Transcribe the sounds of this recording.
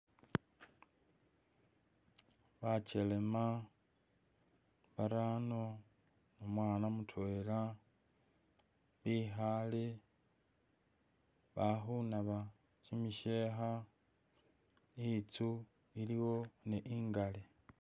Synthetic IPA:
βacele̞ma | βaɾaːno | nomwaːnamutʰweːla | βiːɦale | βaxunaβa | cimiʃe̞ːxa | it͡su | iliwo̞neʔiːŋɡale

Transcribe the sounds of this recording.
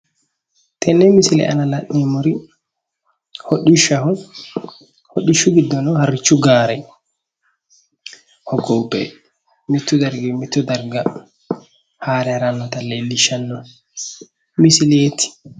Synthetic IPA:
t̪ʰɛnːɛmisilɛ̰ʔa̰nalanːɛmuɾi | hoɗːiʃahɔ | hoɗiʃuɡid̪ɔnɔhaɾit͡ʃːuɡaɾɛ | hɔɡɔwpɛ̰ | mit̪ːud̪aɾɡimit̪ːud̪aɾɡa | haːɾɛɾanːɔt̪alɛlːiʃanːɔ | misilet̪ʰi̥

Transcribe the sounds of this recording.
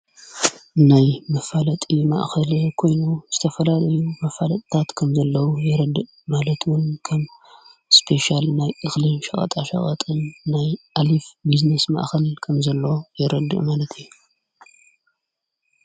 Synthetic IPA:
najmɐfalɐt̪ʼima̰ʔxɐlɐkʰo̞jnuzɨt̪ʰɐfɐlalɐjumɐfalɐt̪ʼt̪ʰat̪kʰɐmzɐlːɐwujɛɾɐd̪ɨʔ | malɐt̪ʰwʊnkʰɐmspʰe̞ʃalnajʔɨxlɨnʃɐχʼɐ̰t̪ʼaʃɐ̰χʼɐt̪ʼɨnːajʔalifbiznesma̰ʔxɐlkʰɐmzɐlːɐwjɛɾɐd̪ɨ̰ʔmalɐt̪ʰijːu

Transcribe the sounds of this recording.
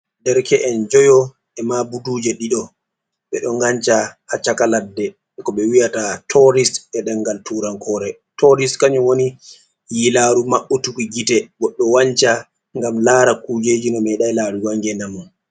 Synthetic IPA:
dɛɾkʰɛʔɛnd͡ʒɔjɔ | ʔɛmabudud͡ʒɛɗiɗɔ | ɓɛ̰ɗɔŋɡaɲt͡ʃahat͡ʃːakaladːɛ | kɔɓɛwijatatʰɔɾisɛɗɛŋɡaltuːɾankʰɔːɾɛ | tɔɾiskaɲuwoni | jilaːɾumaɓːɔtukiɡitɛɡɔɗːɔwaɲt͡ʃa | ŋɡamlaːɾakud͡ʒed͡ʒinɔmɛɗajlaɾuwaŋɡɛnamɔn

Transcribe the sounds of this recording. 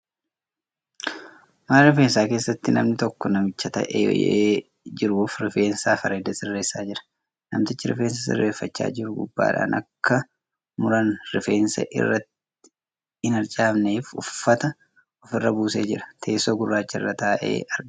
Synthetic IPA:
maːlɾɪfeːnsaːkeːsːɐt̪ːɪnɐ̰mnɪt̪ɔkːɔnɐmɪt͡ʃːɐt̪ɐ̰ʔḛeː | d͡ʒɪɾʊfɾɪfe̞ːnsaːfɐɾeːd̪ɐsɪrːeːsːaːd͡ʒɪɾɐ̥ | nɐ̰mt̪ɪt͡ʃːɪɾɪ̰fe̞ːns̬ɐsɪ̰rːeːfːɐt͡ʃːa̰ːd͡ʒɪɾʊɡʊbːa̰ːᶑa̰ːnʔɐ̰kːɐ | mʊɾɐnɾɪfe̞ːnsɐ̰ʔɪ̰rːɐt̪ː | ɪ̥ | ɪnɪɾt͡ʃʼaːbneːfʊ̰fːɐt̪ɐ | ɔfɪrːɐbuːseːd͡ʒɪɾɐ̥t̪ʰe̞ːsoːɡʊrːaːt͡ʃːɐrːɐt̪aːʔḛːʔɐɾ

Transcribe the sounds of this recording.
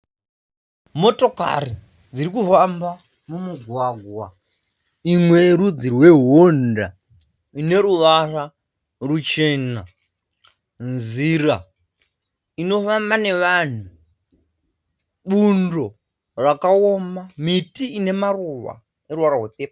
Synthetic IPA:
mo̞to̞ka̰ri | d͡zirikufamba | mumuɡʱwaɡʱwa | imwe̞ɾud͡zirwe̞ɦonda | ine̞ɾuʋara | rut͡ʃe̞na | nzira | ino̞fambane̞ʋan̤u | ɓundo̞ | rakaomamitiːne̞maruʋa̰ | eɾuwaɾaɦwepepa

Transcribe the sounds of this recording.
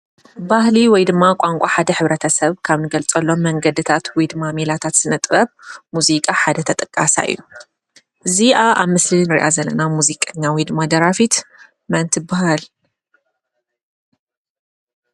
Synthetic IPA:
bahliwɔjd̪ɨmːakʷʼaŋkʷʼaħad̪ɐħɨβɾɐt̪ʰɐsɐβkʰaβnɨɡɐlt͡sʼɐlːo̞mːɐŋɡɐd̪ɨt̪ʰat̪wɔjd̪ɨmːamelat̪ʰat̪z̥ɨnɐt̪ʼbɐβmuzikʼaħad̪ɐt̪ʰɐt̪ʼɨkʼːasa̰ʔɨ̰jːu | ʔɨziʔaʔaβmɨslinɨɾḭʔa̰zɐlːɐnamuzikʼaɲːawid̪ɨmːad̪ɐɾafit̪ | mɐnt̪ʰɨbaɦal

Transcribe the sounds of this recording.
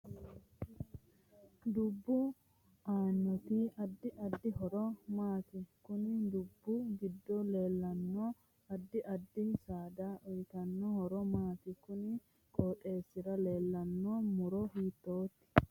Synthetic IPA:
d̪ʊbːʊ | ʔaːnːɔt̪iːɐd̪ːɪʔɐd̪ːɪɦɔɾɔmaːt̪ɪkʊnɪd̪ʊbːʊɡɪd̪ːɔle̞ːlːɐnːo | ɐd̪ːɪʔɐd̪ːɪsaːd̪aʔɔjk̪ɐnːɔhɔɾɔmaːt̪ɪkʊnɪ | kʼɔːtʼe̞ːsːɪɾɐle̞ːlːɐnːoːmʊɾɔhiːt̪ːoːt̪ːɪ̥

